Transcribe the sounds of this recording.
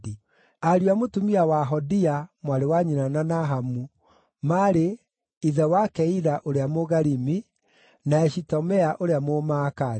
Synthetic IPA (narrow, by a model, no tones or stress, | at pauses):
i | aɾjwamotumiawaɦɔdiamwaɾewaɲinananaɦamu | maɾe | iðɛwakɛiɾaʔoɾeamoɣaɾimi | naɛʃitɔmɛaʔoɾeamomaka